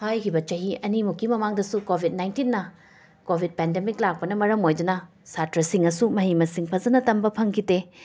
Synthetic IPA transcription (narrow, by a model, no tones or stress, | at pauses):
hajkʰibɐt͡ʃɐɦiɐnimukːimɐmaŋdɐsukobʱit̚najntinːɐ | kobʱid̚pɛndemik̚lak̚pɐnɐmɐɾɐmojdunɐ | satɾɐsiŋɐsumɐɦimɐsiŋpʰɐzɐnɐtɐmbɐpʰɐŋkʰite